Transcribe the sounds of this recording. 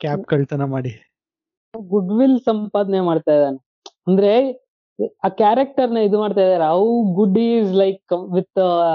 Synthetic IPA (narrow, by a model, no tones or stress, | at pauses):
kaːkɐɭt̪ɐnɐmaːɽi | aɡuɖʋilsɐmpaːd̪nemaːɖt̪ajd̪aːne | ɐnd̪ɐɾe | aːkjaːɾek̚ʈɐɾnɐid̪umaːɖt̪aːjd̪aːɾeɐwɡuɖizlɐjkʋit̪ː